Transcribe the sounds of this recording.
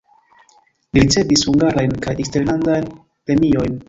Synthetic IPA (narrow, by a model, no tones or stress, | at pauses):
liɾit͡se̞vishuŋɡaɾajnkajekste̞ɾlandajn | pɾe̞mio̞jn